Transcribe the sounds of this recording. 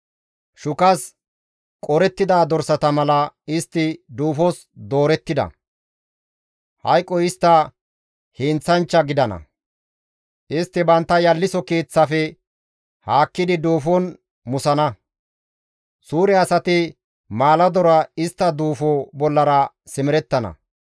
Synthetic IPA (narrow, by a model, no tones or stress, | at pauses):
ʃʊkɐs | kʼɔɾɛt̪ːɪd̪aːd̪ɔɾsɐt̪ɐmɐlɐɪst̪ːɪd̪uːfɔs | d̪o̞ːɾɛt̪ːɪd̪ɐ̰ | hɐjkʼːɔɪst̪ːɐ | hɪnt͡sːɐnt͡ʃːɐɡɪd̪ɐnɐ̰ | ʔɪst̪ːɪbɐnt̪ːɐjɐlːɪsɔkeːt͡sːafɛ | haːkːɪd̪ɪd̪uːfɔn | mʊsɐnɐ | suːɾɛɐsɐt̪ɪ | maːlɐd̪ɔɾɐɪst̪ːɐd̪uːfobɔlːɐɾɐ | sɪmɪɾɛt̪ːɐnɐ̰